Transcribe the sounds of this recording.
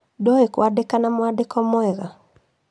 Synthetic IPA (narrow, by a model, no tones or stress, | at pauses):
dɔekwadekanamwadekɔmwɛɣa